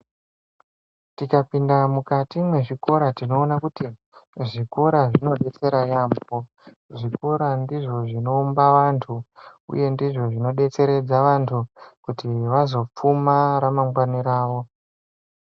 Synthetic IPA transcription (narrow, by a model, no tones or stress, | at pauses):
tikapindamukatimwe̞ʐiko̞ɾatino̞ːnakuti | ʐiko̞ɾaʐino̞ɗe̞t͡se̞ɾajambo̞ | ʐiko̞ɾandiʐo̞ʐino̞umbaʋantʰuṵje̞ndiʐo̞ʐino̞ɗe̞t͡se̞ɾe̞d͡zaʋantʰukutiʋazo̞p͡fumaɾamaŋɡwaniɾaːʋo̞